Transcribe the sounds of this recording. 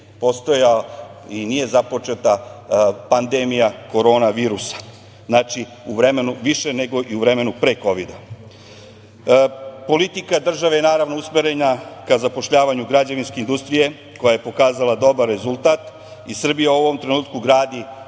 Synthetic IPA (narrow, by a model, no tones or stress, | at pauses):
po̞st̪ojainije̞zapo̞t͡ʃe̞t̪a | pand̪emijako̞ɾo̞ːnaʋiːɾusḁ | znaːt͡ʃi | uʋɾe̞me̞nuʋiʃe̞ne̞ɡo̞ʔiuʋɾe̞me̞nupɾeko̞ʋid̪a | po̞lit̪ikad̪r̩ʒaʋejenaːɾaʋno̞usmeɾe̞nakazapo̞ʃʎaːʋaɲuɡɾad͡ʑaʋinskeind̪ust̪ɾije̞ | ko̞jaje̞po̞kaːzalˠad̪o̞baɾːe̞zulˠt̪aːt̪ | isr̩bijauo̞ʋo̞mt̪ɾe̞nuːt̪kuɡɾaːd̪i